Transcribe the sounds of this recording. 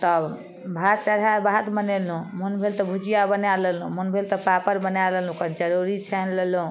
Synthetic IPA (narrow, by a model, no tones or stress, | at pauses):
t̪ɔ | bʱat̪̚t͡ʃəɾabʱat̪bənelũmunbʱelt̪ɔbʱud͡ʒijabənalelɦṵ̃munbʱelt̪ɔpapəɾbənalelɦũkənd͡ʒəɾuɾit͡ʃʰɛnlelɦũ